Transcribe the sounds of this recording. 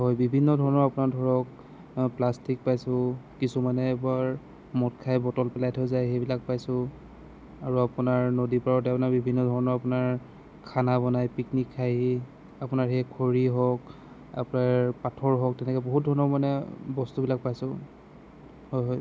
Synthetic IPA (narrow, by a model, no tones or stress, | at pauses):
ɦɔjbibʱinːɔdʱɔɹɔnɔɹapʊnaɹdʱɔɹɔk | plastik̚pajsʊ̃kisumanɛːbaɹ | mɔtkʰajbɔtɔlpɛlajtʰɔzajxejbilak̚pajsʊ̃ | aɹuapunaɹnodipaɹɔt̬ɛapnaɹbibʱinːɔdʱɔɹɔnɔɹapʊnaɹ | kʰanabɔnajpiknikʰːaji | apʊnaɹxɛkʰoɹiɦɔk | a̰pʊnaɹpatʰɔɹɦɔk̚tɛnɛkɔboɦut̚dʱɔɹɔnɔɹmanɛbɔstubilak̚pajsʊ̃ | hɔjɦɔj